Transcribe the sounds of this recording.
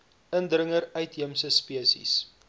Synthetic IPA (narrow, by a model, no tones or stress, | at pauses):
əndrəŋəɾœɥtɦiəmsəspiəsḭs